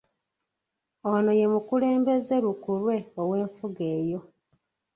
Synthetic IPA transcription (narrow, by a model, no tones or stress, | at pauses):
ono̞je̞mukule̞ːmbe̞zeɾukulwe̞owe̞ːɱfuɡe̞ːjo̞